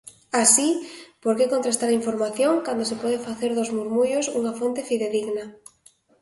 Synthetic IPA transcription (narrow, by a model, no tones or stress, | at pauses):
asipoɾkekont̪ɾest̪aɾaiɱfoɾmaθjoŋkand̪os̬epɔðefaθeɾðozmuɾmujosuŋafont̪efiðeðiɣna